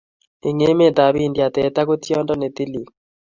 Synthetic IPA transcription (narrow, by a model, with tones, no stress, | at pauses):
i˨ŋe˦me˦d̪a˨bi˦˨ndja˨t̪ɛ˨t̪a˦ɡo˦t̪jɔ˦ndɔ˦ne˨t̪i˦li˨k